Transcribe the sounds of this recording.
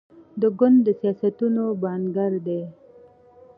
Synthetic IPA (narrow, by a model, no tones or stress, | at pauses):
d̪əɡʊnd̪ːəsijɑsat̪unobɑnɡaɾd̪e